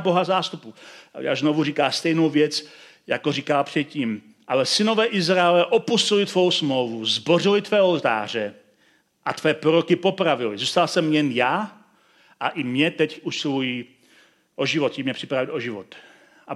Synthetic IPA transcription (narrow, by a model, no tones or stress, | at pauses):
boɦazaːst̪upuja̰ʒnovuriːkaːst̪ɛjnowvjɛt͡s | ja̰koriːkaːpr̥ɛt̪̚ciːm | ʔalɛsɪnovɛːʔɪzɾaɛlɛʔopusɪlit̪vo̞wsmlowvuzborilɪt̪vɛːolt̪a̰ːr̝ɛ | ʔat̪vɛːpɾoɾokipopɾavɪlizuːst̪alsɛmjɛnjaː | ʔaʔimɲɛt̪ɛcuʃsɪlujiː | ʔoʒivot̪imɲɛpr̥ipɾavilʔoʒivot̪ | ʔa